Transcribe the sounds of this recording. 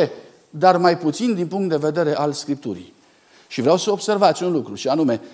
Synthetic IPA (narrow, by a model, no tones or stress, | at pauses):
e | d̪armajput̪sind̪inpuŋk̚t̪d̪e̞ve̞d̪e̞ɾe̞ʔalskɾip̚t̪ṵɾḭj | ʃivɾeawsəobse̞rvat̪sʲunlukɾuʃianume̞